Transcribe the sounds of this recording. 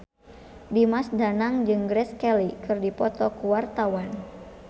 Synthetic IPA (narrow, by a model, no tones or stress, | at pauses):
dimasdanaŋd͡ʒɨŋɡɾɛskɛlikɨrdipɔt̪ɔkuwart̪awan